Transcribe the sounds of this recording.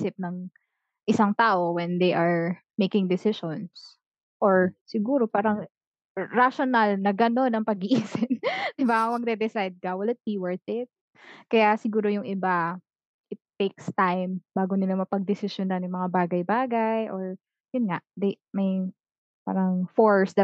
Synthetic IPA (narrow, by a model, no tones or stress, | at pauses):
sɪp̚nɐŋ | ʔɪsaŋt̪aːʔo̞wɛnd̪ejʔɐɹ | mejkɪŋd̪ɪsɪʃons | ʔoɹsɪɡuːɾo̞paːɾɐŋ | ɹaʃonalnɐɡɐno̞nɐŋpɐɡɪʔiːsɪnd̪ɪbaɐwɐɡ̚d̪ɛd̪ɛsajd̪̚kɐwɐlat̪̚piwɛɹt̪ɪt̪̚ | kɐjasɪɡuːɾojʊŋʔɪba | ʔɪt̪ːejkst̪ajmbaːɡonɪlamɐpɐɡ̚d̪ɪsɪʃjonanjʊŋmɐŋabaːɡɐjbaːɡɐjʔoɹ | jʊnŋaʔd̪ejmɐj | pa̰ːɾɐŋfoɹsd̪ɐ